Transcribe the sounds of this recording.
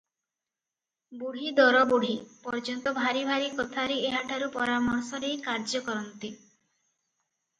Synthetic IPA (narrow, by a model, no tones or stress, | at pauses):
buɽ̤id̪ɔɾɔbuɽ̤ipɔɾd͡ʒɔnt̪ɔbʱaɾibʱaɾikɔt̪ʰaɾeeɦaʈʰaɾupɔɾamɔɾsɔɾejkaɾd͡ʒɔkɔɾɔnt̪i